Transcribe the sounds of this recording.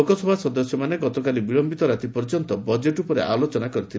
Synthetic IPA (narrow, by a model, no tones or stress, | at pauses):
okɔsɔbʱasɔd̪ɔsjɔmaneɡɔt̪ɔkalibiɭɔmbit̪ɔɾat̪ipɔɾd͡ʒɔnt̪ɔbɔd͡ʒeʈupɔɾeʔalot͡ʃɔnakɔɾit̪ʰil